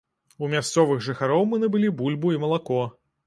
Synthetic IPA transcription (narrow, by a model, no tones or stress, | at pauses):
umʲast̪sɔvɨɣʐɨxaɾɔwmɨnɐbɨlʲibulʲbuimɐlˠakɔ